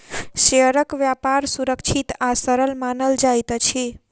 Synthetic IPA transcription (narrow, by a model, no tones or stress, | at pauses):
ʃeəɾəkʋjapaɾsuɾəkʃʰit̪asəɾəlmanəld͡ʒajt̪ət͡ʃʰe